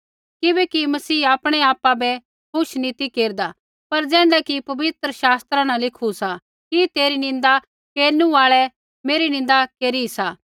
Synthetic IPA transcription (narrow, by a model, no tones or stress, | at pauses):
kɪbɛkimɐsiːaːpɽ̃ɛaːpabɛ | kʰʊʃnit̪ikeːɾd̪a | pɐɾd͡zɛ̃ːɖɛkipɐbɪt̪ɾəʃaːst̪ɾãnãlɪkʰusa | kit̪eːɾinɪ̃nd̪a | keːɾnũaːɭɛ | meːɾinɪ̃nd̪akeːɾisaː